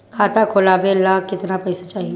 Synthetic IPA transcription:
kʰaːt̪akʰʊlaːbelaːkɪt̪napɐɪsat͡ʃaːɦi

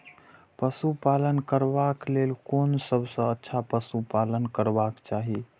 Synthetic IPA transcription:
pəsupalənkəɾbaklelkonsəbʱsə̃ətːʃʰapəsupalənkəɾbakt͡ʃaɦi

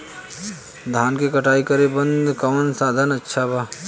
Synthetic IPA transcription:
d̪ʱaːnkekɐʈaːikəɾebɐ̃nd̪ʱkɐmənsaːd̪ʱənɐtːʃʰabʱaː

